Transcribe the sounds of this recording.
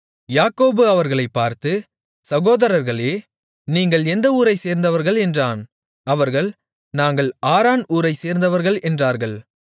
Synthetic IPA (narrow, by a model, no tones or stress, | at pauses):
jaːkoːbɯɐʋɐɾɣɐɭɐɪpːaːɾt̪ɯ | sɐɣoːðɐɾɐɾɣɐɭeː | niːŋɡɐɭɛnd̪ɐuːɾɐɪseːɾnd̪ɐʋɐɾɣɐɭɛndraːn | ɐʋɐɾɣɐɭ | naːŋɡɐɭaːɾaːnuːɾɐɪseːɾnd̪ɐʋɐɾɣɐɭɛndraːɾɣɐɭ